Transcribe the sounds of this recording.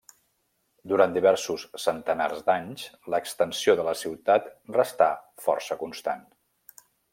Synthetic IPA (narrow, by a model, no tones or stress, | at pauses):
d̪uɾand̪iβɛɾsusːənt̪əna̰rzd̪aɲsləkst̪ənsioðələsiwt̪at̪rəst̪afɔ̰rsəkunst̪a̰n